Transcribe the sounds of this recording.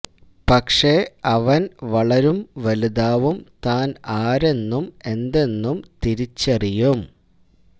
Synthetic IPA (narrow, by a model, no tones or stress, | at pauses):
pɐkʂe̞ɐʋɐnʋɐɭɐɾumʋɐluðaːʋumt̪aːnaːɾe̞nːume̞nd̪e̞nːumt̪iɾit͡ɕːɐrijum